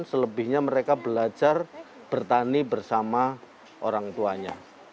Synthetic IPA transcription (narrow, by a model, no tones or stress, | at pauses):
nsələbɪhɲaməɾekabəlad͡ʒar | b̥ərt̪anibərsama | ʔo̰ɾaŋt̪uaɲa̰